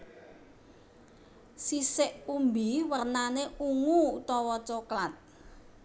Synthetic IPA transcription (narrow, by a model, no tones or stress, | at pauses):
sisɪʔumbiwərnaneuŋuut̪ɔwɔt͡ʃɔklat̪̚